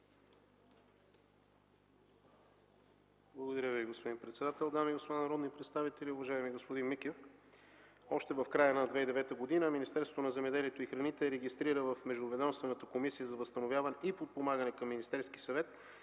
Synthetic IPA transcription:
blˠəɡod̪ɐɾʲjəviɡospod̪inpɾɛt̪sɛd̪at̪ɛlˠd̪amiɡospod̪anɐɾɔd̪nipɾɛt̪st̪avit̪ɛlʲiʊvɐʒaɛmiɡospod̪inmikɛf | ɔʃt̪ɛvɐfkɾajənɐd̪vɛid̪ɛvɛt̪əɡod̪inəminʲist̪ɛɾsot̪onɐzɛmɛd̪ɛliɛt̪oixɾɐnit̪ɛɾɛɡist̪ɾiɾəvɐfmɛʒd̪ʊvɛd̪ɔmst̪vɛnət̪əkomisijəzɐvəst̪ɐnovʲjavɐnɛʔipot̪̚pomaɡənɛkɐmːinist̪ɛɾskisɐvɛt̪

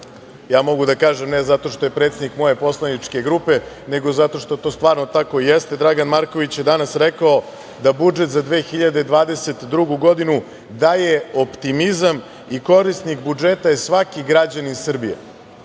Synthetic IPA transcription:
jaːmo̞ɡud̪akaːʒemnezat̪o̞ʃt̪o̞je̞pɾet̪sed̪nikmo̞je̞po̞slˠanit͡ʂke̞ɡɾupe̞ | ne̞ɡo̞zat̪o̞ʃt̪o̞t̪o̞ːst̪ʋaːɾno̞t̪ako̞ijest̪e̞d̪ɾaɡanmaɾko̞ʋit͡ɕjed̪anasɾekao | d̪abud͡ʒet̪zad̪ʋeːxiʎad̪ed̪ʋaːd̪ese̞t̪d̪ɾuɡuɡo̞d̪inu | d̪aje̞opt̪imizam | iko̞ɾist̪nikbud͡ʒet̪ajesʋakiɡɾad͡ʑaninsr̩bijḛ

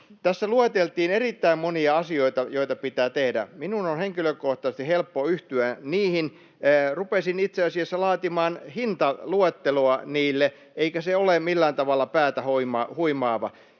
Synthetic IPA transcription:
t̪æsːæluet̪elt̪iːnerit̪ːæimmoniɑɑsioit̪ɑjoit̪ɑpit̪æːt̪ehdæ̰minunonheŋkiløkoht̪ɑsest̪ihelpːoyht̪yæniːhinː | rupesinit̪seɑsiesːɑlɑːt̪imɑːnhint̪ɑluet̪ːeloɑniːlːe | eikæseolemilːæːnt̪ɑʋɑlːɑpæːt̪æhoimɑhuimɑːʋɑ

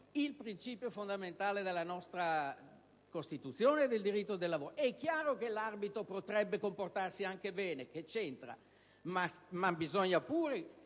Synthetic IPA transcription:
ilpɾint͡ʃiːpjofond̪ament̪aːled̪elːanɔst̪ɾa | kost̪it̪ut̪sːjoːneːd̪eld̪iɾit̪ːod̪elːavoːɾoʔɛkːjaːɾokelarbit̪ɾopot̪ɾɛbːekomport̪arsiaŋkebɛːneket͡ʃent̪ɾa̰ | mamabizoɲːapuːɾe

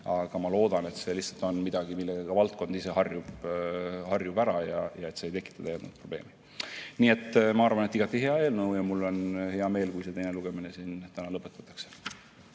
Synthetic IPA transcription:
ɑɡ̥ɑmɑlo̞ːd̪̥ɑne̞t̪se̞lihtsɑlt̪ˑo̞nmid̪̥ɑɡimilːeɡeɡ̥ɑvɑlt̪̚ko̞nd̪̥ise̞hɑrjub | hɑrjubæɾɑjɑjɑe̞t̪ːse̞jt̪e̞kːˑit̪ːˑɑd̪̥ɑjæːd̪nud̪̚pro̞b̥le̞ːmi | niːe̞t̪ːˑmɑɑrvɑne̞t̪ːˑiɡ̥ɑt̪ːˑiɦeɑe̞ːlnɤwjɑmulːo̞nhe̞ɑme̞ːlkujse̞t̪e̞jne̞luɡ̥emine̞siːnt̪ænɑlɤpːˑet̪ːˑɑt̪ːˑɑ̥kse̥

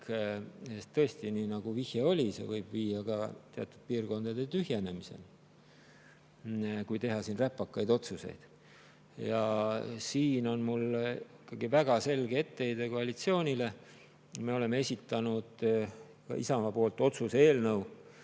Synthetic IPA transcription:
kest̪ɤ̞est̪ininɑɡ̥uvihjeo̞lʲise̞̰vɤjb̥viːjɑɡ̥ɑt̪eɑ̰t̪ːˑud̪̥̚piːrko̞nd̪̥ɑd̪e̞t̪yhje̞ne̞mise̞̰n | kujt̪e̞ɦɑsiːnræpːˑɑkːɑjd̪o̞t̪suse̞̰jd̪̥ | jɑsiːno̞nmulikːˑɑɡ̥ivæɡ̥ɑse̞lɡ̥eet̪ːe̞jd̪eko̞ɑlit̪sio̞ːnʲile̞ | me̞o̞le̞me̞e̞sʲit̪ːˑɑnud̪̥ | kɑ̰ʔḭsɑmɑpo̞ːlt̪ːˑo̞t̪suseeːlnɤw

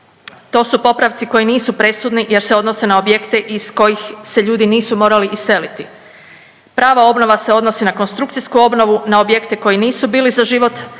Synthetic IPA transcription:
t̪oːsupo̞pɾaʋt̪siko̞jiniːsupɾe̞sud̪nije̞ɾse̞o̞d̪no̞se̞nao̞bje̞kt̪e̞ʔisko̞jixse̞ʎuːd̪iniːsumo̞ːɾaliʔisːe̞lit̪i | pɾaːʋao̞bno̞ʋase̞o̞d̪no̞sinako̞nst̪ɾukt̪sijskuo̞bno̞ʋunao̞bje̞kt̪eko̞jiniːsubiːlizaʒiʋo̞t̪

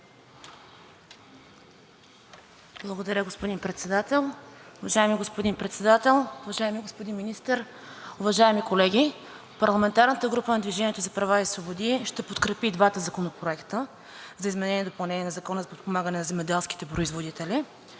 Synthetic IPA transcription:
blˠɐɡod̪ɐɾʲəɡospod̪inpɾɛt̪sɛd̪at̪ɛlˠʊvɐʒaɛmiɡospod̪inpɾɛt̪sɛd̪at̪ɛlˠʊvɐʒaɛmiɡospod̪inminist̪əɾ | ʊvɐʒaɛmikolɛɡ̟ʲi | pɐɾlˠɐmɛnt̪aɾnət̪əɡɾupənɐd̪viʒɛniɛt̪ozɐpɾɐvaisvobod̪iʃt̪ɛpot̪kɾɛpid̪vat̪əzɐkonopɾoɛkt̪ə | zɐizmɛnɛnʲiɛd̪opɐlˠnɛniɛnɐzɐkɔnəzɐpot̪̚pomaɡənɛnɐzɛmɛd̪ɛlˠsk̟i̥t̪ɛpɾoizvod̪it̪ɛli

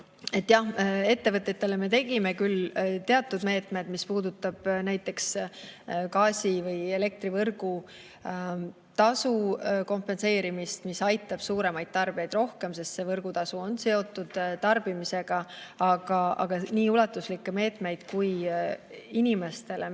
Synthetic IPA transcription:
e̞t̪ːˑjɑhe̞t̪ːe̞vɤt̪ːet̪ːˑe̞le̞me̞t̪e̞ɡ̥ime̞kylt̪e̞ɑt̪ːˑud̪me̞ːt̪ˑme̞d̪mispuːd̪ut̪ːˑɑb̥næjt̪ːˑe̞ks | kɑːsʲivɤje̞le̞k̚t̪rivɤrɡ̥u | t̪ɑsuko̞mpe̞nse̞ːɾimist̪misɑjt̪ːˑɑb̥suːɾe̞mɑjd̪̥̚t̪ɑrb̥iejd̪ro̞hke̞mse̞st̪se̞vɤrɡ̥ut̪ɑsuo̞nse̞o̞t̪ːˑud̪̥t̪ɑrb̥imise̞ɡ̥ɑɑɡ̥ɑɑ̰ɡ̥ɑniːulɑt̪ːˑuslikːe̞me̞ːt̪ˑme̞jd̪̥kuj | inʲime̞st̪e̞le̞

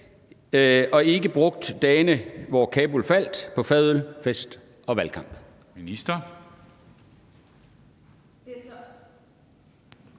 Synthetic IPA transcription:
ʔɒ̽e̝ɡ̥əb̥ʁɔ̽ɡ̥̚d̥d̥ɛːnəʋɒkʰɛːb̥ulfæl̰d̥pʰɒ̽fɛðˠl̩fesd̥ | ɒ̽ʋælkʰɑ̈m̰b̥ | minisd̥ɐ

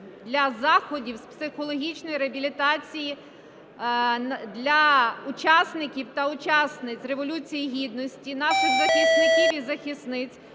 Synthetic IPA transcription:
d̪lʲɐzɑxɔdʲiwspsɪxɔlˠɔɦʲit͡ʃnɔjiɾeɐbʲilʲit̪ɑt͡sʲiji | d̪lʲɐʊt͡ʃɑsnɪkʲiwt̪ɐʊt͡ʃɑsnɪt͡sʲreʋɔlʲut͡sʲijiɦʲid̪nɔsʲtʲinɑʃɪxzɐxʲisnʲikʲiʋʲizɐxʲisnɪt͡sʲ

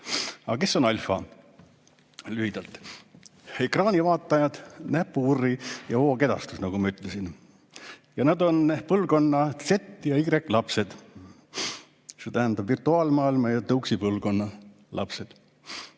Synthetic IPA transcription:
ɑ̰ɑke̞sːo̞nɑlʲfɑ̰ | lyhid̪ɑlt̪ | ekrɑːnʲivɑːt̪ːˑɑjɑd̪̥næpːˑuurːijɑo̞ːke̞d̪ɑ̰st̪usnɑɡumɑyt̪ˑlesin | jɑnɑd̪o̞npɤlːɡo̞nːɑt̪se̞t̪ːˑjɑiɡ̥rekːˑlɑpse̞d̪̥ | set̪æɦænd̪ɑb̥virt̪ˑuɑːlmɑːilmɑjɑt̪ɤuksipɤlːɡo̞nːɑ | lʔɑ̰pse̞d̪̥

